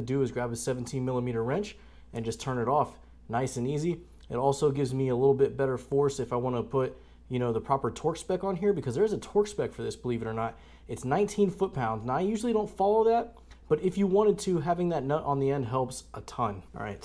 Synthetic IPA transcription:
ɨdʉɨzɡɹæbɨ̥sɛvn̩tʰĩnmɪlˠəmiɾə˞ɹɛ̃nt͡ʃ | ɨ̃nd͡ʒʌstʰɜ̃˞nɨɾɔf | naɪsɨ̃nizi | ɨ̰ɾɔlˠsoʊɡɪvzmiəlɪɾl̩ˠbɪt̚b̥ɛɾə˞fɔɹsɨfaɪwɑ̃ñəpʰʊt̚ | jɨñoʊðəpʰɹ̥ɑpə˞tʰɔɹksb̥ɛkn̩ɦiɹbɨkʰʌzðə˞ɨzətʰɔɹksb̥ɛkfə˞ðɪsb̥əlivɨɾə˞nət̚ | ɨtsnãɪ̃ntʰĩnfʊt̚pʰãʊ̃ndznaɪjʉʒl̩ˠidõʊ̃ntfɑlˠoʊðæt̚ | b̥ʌɾɨfjɨwɑ̃ɾ̃ɨd̚tʰɨɦævɪ̃ŋðɨtⁿnʌɾʔn̩ðiɛ̃nd̚ɦɛlˠpsʔətʰʌ̃n̰ɹa̰ɪt̚

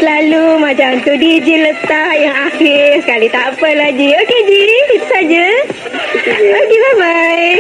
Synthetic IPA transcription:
lalumad͡ʑʱjaənt̪əɖid͡ʑilət̪ajãaɦeskaɽit̪apəlad͡ʑiːoked͡ʑiːit̪sad͡ʑə | oɡibabaj

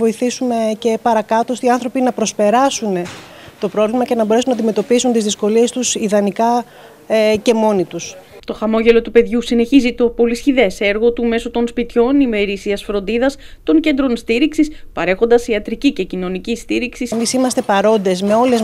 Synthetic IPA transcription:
vo̞iθisume̞ce̞pɐɾɐkɐt̪ost̪iɐnθɾo̞pinɐpɾo̞spe̞ɾɐsune | t̪o̞pɾo̞vlimɐce̞nɐbo̞ɾe̞sunɐd̪ime̞t̪o̞pisunt̪izðisko̞lie̞st̪usiðɐnikɐ | ce̞mo̞nit̪ust̪o̞xɐmo̞ʝe̞lo̞t̪upe̞ðʝusine̞çizit̪o̞po̞lisçiðe̞seɾɣo̞t̪ume̞so̞t̪o̞nspit̪ço̞nime̞ɾisiɐsfɾo̞nd̪iðɐs | t̪o̞ŋce̞nd̪ɾo̞nst̪iɾiksispɐɾe̞xo̞nd̪ɐsiɐt̪ɾicice̞cino̞nicist̪iɾiksismisimɐst̪e̞pɐɾo̞nd̪e̞zme̞o̞le̞z

